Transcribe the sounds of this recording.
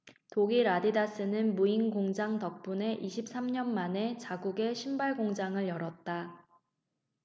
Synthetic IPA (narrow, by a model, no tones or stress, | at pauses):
toɡiɾadidas͈ʰɯnɯnmuinɡoŋd͡ʑaŋtʌk̚p͈une̞ʔiɕʰip̚s͈ʰamɲʌnmane̞t͡ɕaɡuɡe̞ɕʰimbaɭɡoŋd͡ʑaŋɯɭjʌɾʌt̚t͈a